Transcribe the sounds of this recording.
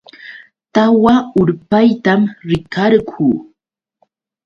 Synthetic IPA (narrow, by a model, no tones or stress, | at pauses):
t̪awaʊɾpajt̪amɾɪkʰaɾkʰuː